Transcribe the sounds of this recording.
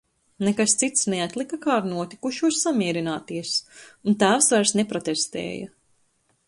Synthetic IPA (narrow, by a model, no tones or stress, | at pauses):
nekast̪sit̪snɛat̪ʲlˠikakaːɾnuɔt̪i̥kuʃuɔsːamiɛɾinaːt̪iɛsunt̪æːwsvaɾsnepɾɔt̪ɛst̪ɛ̰ːjɐ̰